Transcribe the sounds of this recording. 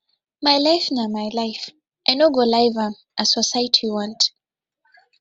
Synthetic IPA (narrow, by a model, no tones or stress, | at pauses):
majlajfnamajlajf | ajnɔɡolajva | ʔasɔsajtʰiwãnt